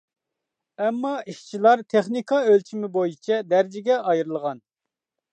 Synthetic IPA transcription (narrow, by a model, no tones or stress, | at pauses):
ɛmːɑiʃt͡ʃʰilˠɑɾt̪ʰeχnikʰɑølt͡ʃʰimɪbojit͡ʃʰɛd̪æɾd͡ʒɪɡʲɛʔɑjɾɨlˠʁɑn